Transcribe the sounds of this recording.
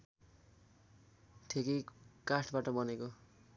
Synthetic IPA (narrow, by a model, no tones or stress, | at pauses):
tʰekekaʈʰbaʈʌbʌneko